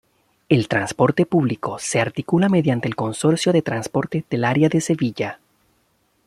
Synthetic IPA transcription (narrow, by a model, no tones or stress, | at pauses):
elt̪ɾanspo̞ɾt̪e̞puβliko̞se̞aɾt̪ikulame̞ðjant̪eːlko̞nso̞ɾsjo̞ðe̞t̪ɾanspo̞ɾt̪eð̥elaɾjaðe̞se̞βiʝa